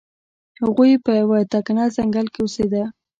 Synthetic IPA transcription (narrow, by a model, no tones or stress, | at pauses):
haɣujpəjawat̪ɑkanɑzaŋɡalkewosed̪a